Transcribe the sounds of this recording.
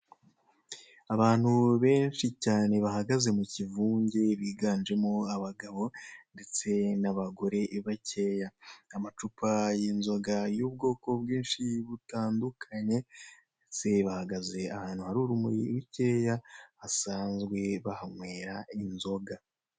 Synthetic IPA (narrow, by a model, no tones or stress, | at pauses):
aβaːn̥huβe̞ːnʃicaːne̞βahaɡaze̞mucivuːɲɟe̞βiːɡaːnd͡ʒe̞moaβaɡaβo̞nde̞t͡se̞naβaɡo̞ɾe̞ʔiβace̞ːjaːmat͡ʃupajinzo̞ɡajuːb̚ɡo̞ːko̞bɡiːnʃiβutaːndukʰaɲe̞ndet͡se̞βahaɡaze̞ahaːn̥huhaɾuːɾumuɾiɾuce̞ːjahasaːnzɡwe̞βahamwe̞ːɾainzo̞ɡa